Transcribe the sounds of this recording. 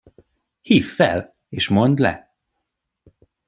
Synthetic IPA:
hiːfːɛ̰l | eːʃmond̪lɛ̰

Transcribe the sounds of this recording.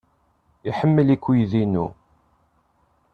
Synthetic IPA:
iħəmːəlikʷːijðinṵ

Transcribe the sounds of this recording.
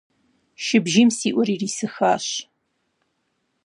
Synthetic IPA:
ʃɪbʒiːmsiːʔʷɔɾiːriːsɨxaːɕ

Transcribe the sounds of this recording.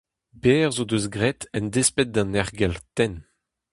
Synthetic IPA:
beːʁzod̪øz̬ɡʁɛt̪ɛnd̪espɛt̪̚d̪ɑ̃nɛʁɡɛlt̪ɛn

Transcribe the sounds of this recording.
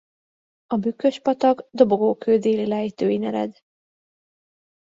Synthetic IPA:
ɒbykːø̞ʃpɒt̪ɒɡd̪o̞bo̞ɡoːkʰøːd̪eːlilɛjit̪øːinɛɾɛ̰d̪

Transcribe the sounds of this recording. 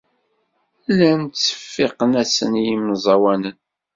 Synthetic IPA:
lːænt͡sːə̥fːɪqənæsənjimzˤɑwænən

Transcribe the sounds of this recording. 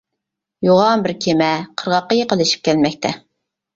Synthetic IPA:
joʁɑmbɪɾkʲʰemɛqʰəɾʁɑqːɑjeqəlˠɪʃi̥p̚kʲʰɛlmɛk̚ʲt̪ʰɛ

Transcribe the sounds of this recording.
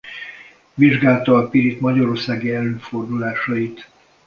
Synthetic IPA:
ʋiʒɡaːlt̪ɒːpiɾit̪mɒɟɒɾo̞rsaːɡiɛlːøːfo̞rd̪ulaːʃɒit̪

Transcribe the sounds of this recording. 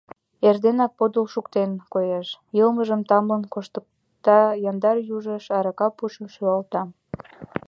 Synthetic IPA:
erd̪enɑk̚pod̪ulʃukt̪enkojeʃjəlməʒəmt̪ɑmənkoʃt̪ək̚ | t̪ɑjɑnd̪ɑrjuʒəʃɑɾɑkɑpuʃəmʃyɑlt̪ɑ

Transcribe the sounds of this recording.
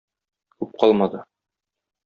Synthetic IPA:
kʉp̚qʰɒlˠmɑd̪ɤ

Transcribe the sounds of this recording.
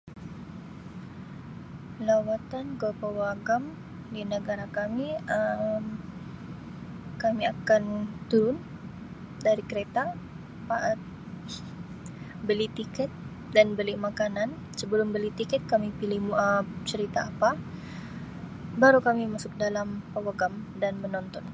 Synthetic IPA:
lawat̪ankəpəwaɡam | dinəɡaɾakamiəm | kamiakant̪uɾʊn | daɾikəɾet̪a | paʔat̪̚ | bəlit̪ikɛt̪̚ | danbəliʔmakanan | səbəlʊmbəlit̪ikɛt̪̚kamipilihmuʔat͡ʃəɾit̪aːpa | baɾukamimasʊk̚dalampawaɡam | danmənɔnt̪ɔn

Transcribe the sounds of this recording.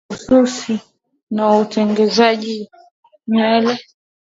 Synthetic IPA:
usuɾsi | nautɛŋɡɛzaʄi | ɲɛlɛ

